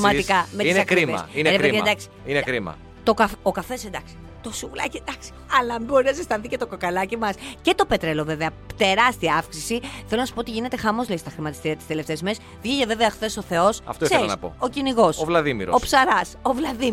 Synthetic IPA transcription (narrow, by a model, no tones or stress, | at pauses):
mɐt̪ikɐmet̪sɐkɾiɐsineɾeeðied̪ɐksi̥inekɾimɐ̰ | t̪o̞kɐfokɐfe̞send̪ɐksi̥ | t̪osuulɐ̰cied̪ɐksi̥ɐlɐmboɾinɐsest̪ɐθicet̪o̞kokɐlɐcimɐsce̞t̪o̞pe̞t̪ɾe̞lo̞ve̞veɐ | t̪e̞ɾɐst̪iɐɐfksisiθelo̞nɐsu̥poot̪iʝine̞t̪e̞xɐmo̞zlest̪ɐxɾimɐt̪ist̪iɾiɐt̪ist̪ele̞ft̪e̞zmes | vʝiʝeve̞veɐxθe̞so̞θe̞o̞sɐ̰ft̪oielɐɐpo̰o̞ciniɣo̞sovlɐðimḭɾoopsɐɾɐsovlɐði